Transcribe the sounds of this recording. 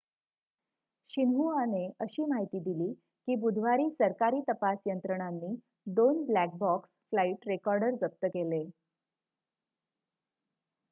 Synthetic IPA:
ɕinɦuaneəɕiːmaɦit̪iːd̪iliː | kiːbud̪ʱʋaɾiːsəɾkaɾiːt̪əpasjənt̪ɾəɽ̃anːiː | d̪onblæk̚bɔksflaiʈɾekɔɾɖəɾd͡zəp̚t̪əkele

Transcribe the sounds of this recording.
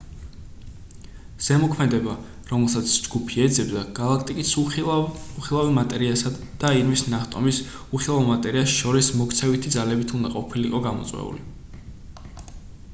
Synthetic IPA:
z̥ɛmɔkʰmɛd̪ɛba | ɾɔmɛlˠsat̪sʰd͡ʒɡupʰiɛd̪zɛbd̪aɡ̥alˠakʰt̪ʼikʼis | uχilˠavimat̪ʼɛɾiasad̪d̥̪aiɾmisnaχt̪ʼɔ̰mis | uχilˠavmat̪ʼɛɾiasʃɔɾismɔkt̪sʰɛvit̪ʰid̪zalɛbit̪ʰund̪aqʼɔpʰiliqʼɔɡamɔ̰t̪sʼwɛ̰ṵli

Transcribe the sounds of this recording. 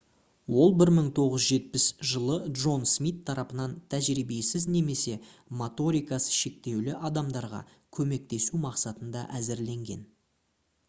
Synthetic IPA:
wo̞lˠbɪɾməɴt̪ʰo̞ʁəzʒe̞t̪̚pɪsʒəlˠəd̪ʒo̞nsmit̪ʰːɑɾɑpənɑnt̪ʰæʒɾijbe̞sɪzne̞me̞se̞mot̪o̞ɾijkɑsə̥ʃe̞k̚t̪e̞wlɪʔɑd̪ɑmd̪ɑɾʁɑ̰ | kʲʰɵme̞k̚t̪e̞sumɑqsɑt̪ənd̪ɑ̰ʔæzɪɾle̞ŋɡʲe̞̰n

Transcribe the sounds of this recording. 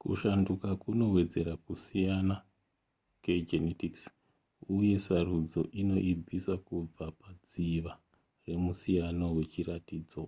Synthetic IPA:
kṵʃandukakuno̞we̞d͡ze̞ɾakusijana | ke̞d͡ʒenetiks | uje̞sarud͡zo̞̰ʔino̞ʔib͡visakub͡vapad͡ziʋa | re̞musijanowe̞t͡ʃiratiːd͡zo̞

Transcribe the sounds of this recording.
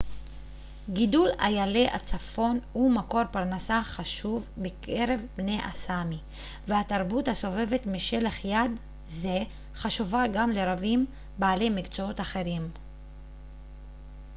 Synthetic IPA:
ɡidula̰jaleʔat͡safo̞numako̞ʁpaʁnasaχaʃuvbekʰe̞ʁe̞vbne̞jʔasami | vehataʁbuthaso̞ve̞ve̞tmiʃe̞leχjad | ze | χaʃuvaɡamle̞ʁavim | baːle̞jmikt͡soo̞taχe̞ʁim

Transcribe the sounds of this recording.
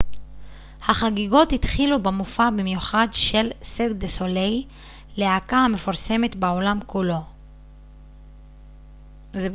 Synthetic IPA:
haχaɡiɡo̞thit̪χilubemufabimjuχad̪ʃe̞lseɡd̪esolej | leakahame̞foʁse̞me̞tbeo̞lamkulo̞ | ze

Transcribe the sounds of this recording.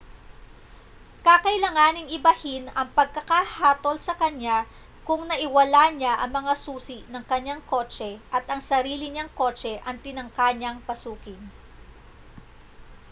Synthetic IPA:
kakɐɪlɐŋaːnɪŋɪbɐhɪnɐŋpɐɡ̚kɐkahaːt̪o̞lsɐkɐɲa | kʊŋnɐʔɪwɐlaɲaʔɐŋmɐŋasuːsɪʔnɐŋkɐɲaŋko̞ːt͡ʃɛʔɐt̪ʔɐŋsɐɾiːlɪɲaŋko̞ːt͡ʃɛʔɐŋt̪ɪnɐŋkaɲaŋpɐsuːkɪn

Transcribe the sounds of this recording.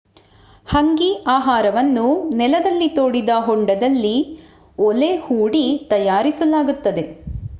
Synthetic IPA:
hɐŋɡiʔaːɦaːɾɐʋɐnːunɛlɐd̪ɐlːit̪oːɽid̪ɐɦɔɳɖɐd̪ɐlːi | ɔlehuːɽit̪ɐjaːɾisɐlaːɡut̪ːɐd̪e̞

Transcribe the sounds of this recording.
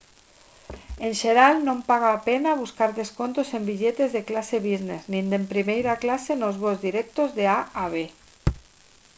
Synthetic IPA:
enʲʃeɾalnõmpaɣ̞aːpenaβ̞uskaɾðeskont̪osembiʎet̪ezðeklaseβ̞izneznind̪empɾimejɾaklasenozβozðiɾɛk̚t̪ozðeaaβe

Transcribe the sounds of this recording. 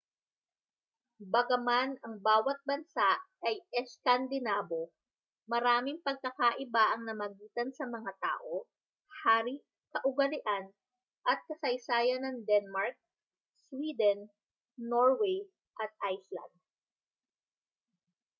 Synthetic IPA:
bɐɡɐmanɐŋbaːwɐt̪̚bɐnsaʔʔɐjɛskɐnd̪ɪnaːbo̞ | mɐɾaːmɪŋpɐɡ̚kɐkaʔɪbaʔɐŋnɐmɐɡiːt̪ɐnsɐmɐŋat̪a̰ːʔo̞ | haːɾi | kɐʔʊɡɐlɪʔan | ʔɐt̪̚kɐsɐjsaːjɐnɐŋd̪ɛnmaɹk̚ | swid̪ɛnː | oɹwɛj | ʔɐt̪̚ʔajslɐ̰nd̪̚

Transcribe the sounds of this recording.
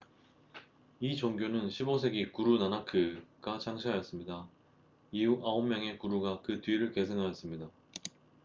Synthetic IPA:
it͡ɕoŋɡjonɯnɕʰibosʰe̞ɡikuɾunanakʰɯɡ̥at͡ɕʰaŋɕʰiɦajʌs͈ɯmɲida | iuʔaomːjʌŋe̞kuɾuɡakɯtɥiɾɯɭke̞sʰɯŋɦajʌs͈ɯmɲida

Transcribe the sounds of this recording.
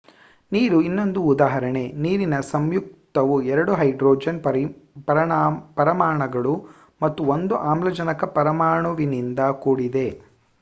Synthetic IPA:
niːɾuinːo̞nd̪uːd̪aːɦɐɾɐɳe̞niːɾinɐsɐmjuk̚t̪ɐʋuɛɾɐɽuɦɐjɖɾoːd͡ʒɐnɐpɐɾpɐɾɐmaːɳɐɡɐɭu | mɐt̪ːuond̪uʔaːmlɐd͡ʒɐnɐkɐpɐɾɐmaːɳɐʋinind̪ɐkuːɽid̪e̞

